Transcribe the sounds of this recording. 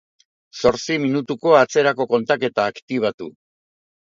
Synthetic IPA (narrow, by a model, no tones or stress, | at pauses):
so̞ɾt͡siminut̪uko̞at͡se̞ɾako̞ko̞nt̪ake̞t̪aːkt̪iβ̞at̪ṵ